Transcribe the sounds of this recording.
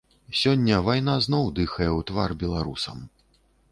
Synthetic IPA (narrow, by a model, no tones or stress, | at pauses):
sʲɔnʲːɐvajn̪aznɔwd̪ɨxɐjɛwt̪varbʲɛlˠaɾusɐm